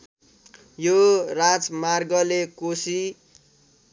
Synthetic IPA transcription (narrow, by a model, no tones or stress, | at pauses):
jorat͡smarɡʌlekosi